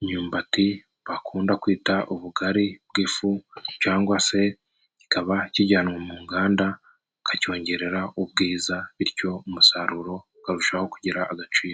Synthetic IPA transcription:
ɲɲuːmbati | βakʰuːndakwiːtaʔuβuɡaɾib̚ɡiːfucaːŋɡwase̞ | ci̥kaβaciɟaːnŋwamuːŋɡaːnda | kaco̞ːɲɟe̞ɾe̞ɾaʔub̚ɡiːzaβiɾco̞umusaɾuɾo̞ | kaɾuʃaho̞kuɟiɾaːɡat͡ʃiːɾo

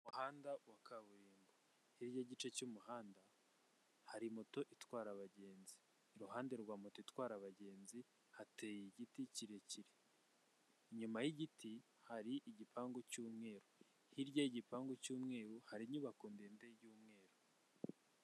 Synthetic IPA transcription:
muhaːndawakaβuɾiːmba | hiɾjaɟit͡ʃe̞cumuɦaːnda | haɾimoto̞ʔitwaːɾaβaɟe̞ːnziː | ɾuɦaːnde̞ɾɡwaːmotoitwaːɾaβaɟe̞ːnzi | hatejiɟiticiɾeciɾe | ɲumajiɟiti | haɾiʔiɟipaːŋɡocuːmŋe̞ːɾo | hiɾɟaiɟipaːŋɡocuːmŋe̞ːɾohaɾiɲuβakuːndeːndeɾjuːmŋe̞ːɾo

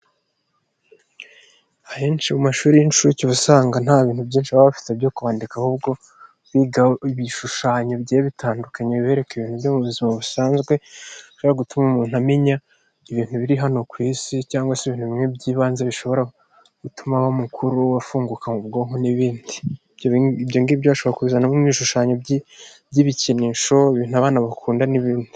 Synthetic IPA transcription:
aheːnt͡ʃimumaʃuːɾijinʃuciβusaːŋɡan̥haːβiːn̥hubjiːnʃiβaβafi̥tebjo̞kuβaːndikahuːbɡo̞ | βiɡaβiʃuʃaːɲo̞bɟeːβitʰaːndukaɲee̞ːɾe̞kiβiːn̥huβjomuβuzimaβusaːnzɡwe̞ʃoβoɾaɡutumamuːn̥uamiɲa | iβiːn̥uβiɾiɦano̞kwiːsicaːŋɡwaseβiːnhuβimŋe̞bɟiːβaːnzeβiʃo̞βo̞ɾa | ɡ̥utʰumaβamukʰuɾuwafuːŋɡukamub̚ɡo̞ːɦoniβiːndi | bjoβbjoŋɡiibjoβaʃoβoɾakuβizanamimiːʃuʃaːɲo̞ibɟiβiceniʃo̞iβiːnuaβaːnaβakʰuːndaniβiːnddi

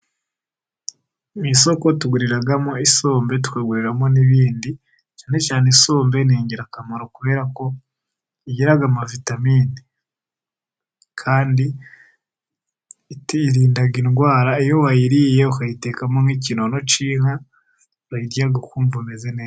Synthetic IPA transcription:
miso̞ko̞tuɡuɾiɾaɡamo̞iso̞ːmbe̞t̬u̥kweːɡuɾiɾamo̞niβiːndi | t͡ʃaːne̞caːneso̞ːmbe̞neːɲɟeɾakamaɾo̞kuβe̞ːɾako̞ | iɟeɾaɡamavitamiːni | kʰaːndi | tːɾiːndaɡinɡwaːɾaijo̞wajiɾije̞ukajite̞kamoniːcinono̞t͡ʃiːŋa | ɾajiɾjaɡakuːɱvunezene

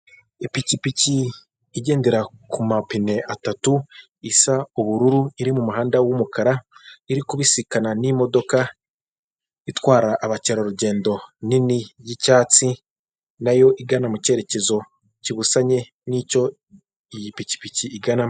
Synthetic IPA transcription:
ipicipiciː | ɟe̞ːndeɾakumapine̞ʔatatu | isauβuɾuɾuiɾimumuɦaːndawumukaɾaiɾikuβisikananimo̞do̞ka | itwaːɾaʔːβaceɾoɾuɟe̞ːndo̞ninijicaːt͡si | najo̞ʔiɡanamuce̞ɾe̞ce̞zo̞ | ciβusaɲe̞ | nico̞ | ijipici̥piciːɡana

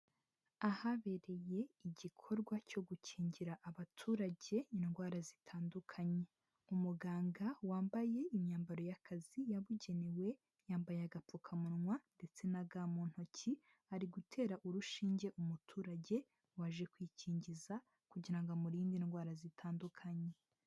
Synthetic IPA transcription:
ahaβe̞ɾe̞je̞iɟikʰo̞ɾɡwaco̞ɡucʰiːɲɟiɾaʔaβatʰuːɾaɟe̞inɡwaːɾazitʰaːndukʰaɲe̞ | umuɡaːŋɡawaːmbaje̞imɲaːmbaɾo̞jakʰazijaβuɟe̞newe̞ | jaːmbajeaɡap͡fukʰamunŋwande̞t͡se̞naɡaːmuːn̥hoci | aɾiɡutʰe̞ːɾaʔuɾuʃiːɲɟe̞ʔumutʰuːɾaɟe̞ | waʒe̞kwiciːɲɟiza | kuɟiɾaŋɡomuɾiːndinɡwaːɾazitʰaːndukʰaɲe̞

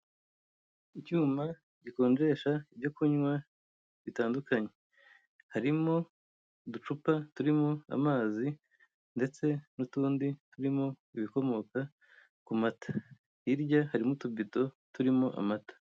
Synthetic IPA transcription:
icuːma | ɟiko̞ːnd͡ʒe̞ːʃaibjokuɲwa | βitaːndukaɲe̞ | haɾimo̞ | dut͡ʃupatuɾimoa̰maːzi | nde̞t͡se̞nutuːndituɾimo̞ | iβiko̞mo̞ka | kumatḁ | iɾɟahaɾimotubito̞ | tuɾimoʔa̰matḁ

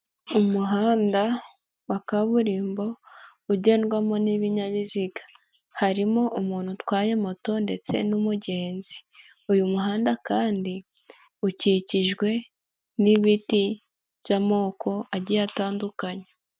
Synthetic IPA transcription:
umuɦaːnda | wakaβuɾiːmbo̞ | uɟe̞ːnɡwamo̞niβiɲaβiziɡḁ | haɾimo̞ʔumuːn̥hutwaːje̞moto̞nde̞t͡se̞̰numuɟe̞ːnzi̥ | ujumuɦaːndakaːndi | uciciʒɡwe̞ | niβiti | β̥jamo̞ːkʰo̞aɟijataːndukaɲe

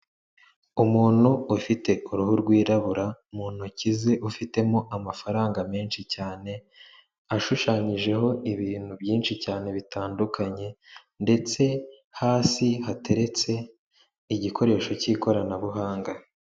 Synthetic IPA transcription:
umuːn̥uufite̞ʔuɾuhuɾɡwiːɾaβuɾaumuːn̥hucize̞ʔufite̞mo̞ʔamafaɾaːŋɡameːnʃicaːne̞ | aʃuʃaːɲiʒe̞ɦo̞iβiːn̥huβjiːnʃicaːne̞βitʰaːndukʰaɲe̞ | nde̞t͡se̞ | haːsihatʰe̞ɾe̞t͡se̞ | iɟikʰo̞ɾe̞ːʃo̞ciːko̞ɾanaβuɦaːŋɡa

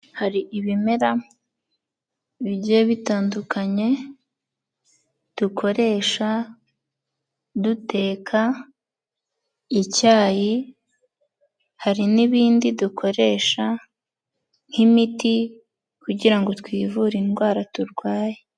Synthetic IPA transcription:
haɾiʔiβime̞ɾa | βibɟieβitaːndukʰaɲe̞ | d̥ukʰo̞ɾe̞ːʃa | dute̞ːkʰa | icaːji | haɾiniβiːndidukʰo̞ɾe̞ːʃa | n̥himiti | kuɟiɾaŋɡo̞twiːvuɾinɡwaːɾatuɾɡwaːje

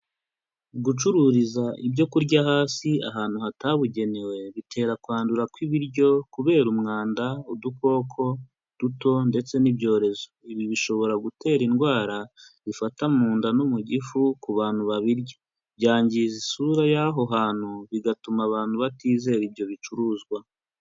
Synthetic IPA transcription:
ɡut͡ʃuɾuɾizaʔibjo̞kuɾɟaɦaːsia̰ɦaːn̥uhataβuɟe̞newe̞βitʰe̞ːɾakwaːnduɾakwiβiɾɟo̞kuβe̞ːɾumŋaːndauduko̞ːkʰo̞ | d̥uto̞nde̞t͡se̞nibɟo̞ːɾe̞zoiβiβiʃo̞βo̞ɾaɡutʰe̞ːɾinɡwaːɾa | βifatamuːndanumuɟifukuβaːn̥huβaβiɾɟa | βɟaːɲɟizisuɾajaɦo̞ɦaːn̥huβiɡatumaβaːnhuβatiːze̞ɾibjo̞βit͡ʃuɾuːzɡwa

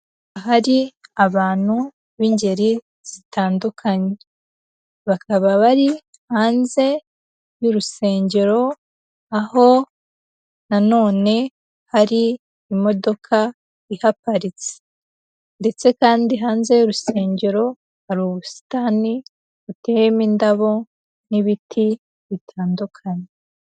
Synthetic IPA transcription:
aɦaɾiaβaːn̥hu | βiːɲɟe̞ɾi | z̥itaːndukʰaɲe | βakaβaβaɾi | haːnze̞ | juɾuse̞ːɲɟe̞ɾo̞ | aho̞ | nano̞ːne̞ | haɾiː | mo̞do̞kʰa | ihapaɾit͡se̥ | nde̞t͡se̞kaːndiɦaːnze̞joɾuse̞ːɲɟe̞ɾo̞ | haɾuːβusi̥tani | βute̞ɾemindaβo̞ | niβitʰi | βitʰaːndukʰaɲe

